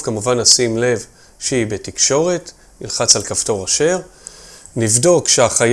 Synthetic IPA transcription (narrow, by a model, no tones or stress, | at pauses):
kamuvanasimle̞v | ʃeibetikʃo̞ʁe̞t | nilχat͡salkavto̞ʁaʃe̞ʁ | nivdo̞kʃeaχaj